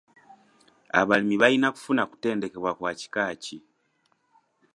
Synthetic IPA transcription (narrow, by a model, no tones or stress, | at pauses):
a̰βalimiβainaku̥funaku̥te̞ːnde̞ke̞βwakwaːci̥kaci